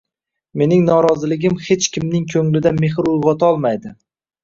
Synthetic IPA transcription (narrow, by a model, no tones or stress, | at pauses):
me̞nɪŋnɒɾɒzɪlɪɡʲɪmhet͡ʃkʲɪmnɪŋkʲʰɵŋlɪd̪ameɦɪɾʊjʁɒt̪ʰaɒlˠmajd̪ɪ